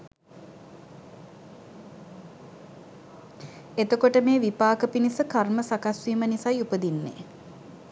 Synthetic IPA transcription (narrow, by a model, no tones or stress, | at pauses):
et̪okoʈəmeːʋipaːkəpinisəkarməsakasʋiːmənisajupəd̪inːḛ